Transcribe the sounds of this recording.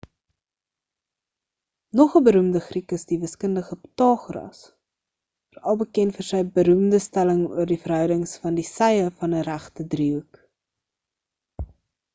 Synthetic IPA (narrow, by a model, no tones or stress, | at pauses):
nɔχəbəɾumdəχrikəsdivəskəndəχəpətɑːχrɐ̰s | fərɐlˠbəkɛntfərsəjbəɾumdəstæləŋṵərdifərɦœɥdəŋsfɐndisɛjəfɐnəɾæχtədriuk